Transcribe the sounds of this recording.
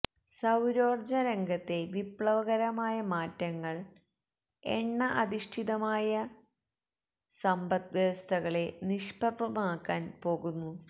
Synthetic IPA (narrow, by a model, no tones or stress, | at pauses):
sɐwɾo̞ːrd͡ʑɐɾeŋɡɐt̪ːe̞ʋipɭɐʋɐɣɐɾɐmaːjɐmaːtːɐŋːɐɭ | ḛɳːɐʔɐðiʂʈʰiðɐmaːjɐ | sɐmbɐt̪ʋɐst̪ʰɐɣɐɭe̞niʂpɐbɐmaːkːaːnpo̞ːɣunːu